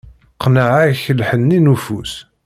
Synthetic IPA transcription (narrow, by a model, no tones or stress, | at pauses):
qnəʕaçəlħənːinufus